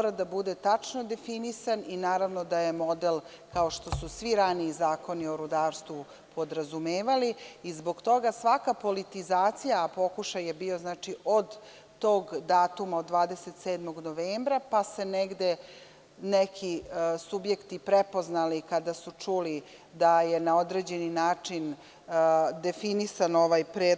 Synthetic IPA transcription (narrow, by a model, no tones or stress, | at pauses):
oɾad̪abud̪et̪at͡ʂnod̪e̞finisaninaːɾaʋno̞d̪aje̞mo̞d̪el | kao̞ʃt̪o̞susʋiɾaniːzaːko̞nioɾud̪aːɾst̪ʋu | pʰo̞d̪ɾazumeːʋaliːzbo̞ɡt̪o̞ɡasʋakapo̞lit̪izaːt̪sijapo̞kuʃajebiːo̞znaːt͡ʃiʔo̞d̪ː | o̞ːɡd̪aːt̪umaod̪ːʋaːd̪eset̪seːd̪mo̞ɡnoʋeːmbɾapase̞neɡd̪e̞ | nekʰisubje̞kt̪ipɾepo̞znalikad̪asut͡ʂuli | d̪aje̞naod̪ɾe̞ːd͡ʑe̞ninaːt͡ʂin | d̪e̞finisano̞ʋajpɾeː